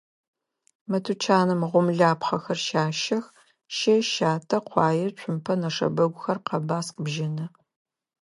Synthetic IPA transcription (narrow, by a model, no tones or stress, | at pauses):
mɐtʰut͡ʃʰaːnɨmʁʷʊmɮaːpχɐxɐrʃaːʃɐx | ʃeʃaːtʰɐqʷɑːjɪt͡ʃʷʰʼʊmpʰɐnɐʂɐ̰bɐɡʷʊxɐrqɐbaːsqəbʒɪnɐ